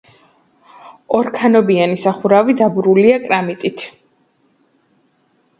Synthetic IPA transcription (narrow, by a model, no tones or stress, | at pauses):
ɔɾkʰanɔbianisaχuɾavid̪abuɾuliakʼɾamit̪ʼit̪ʰ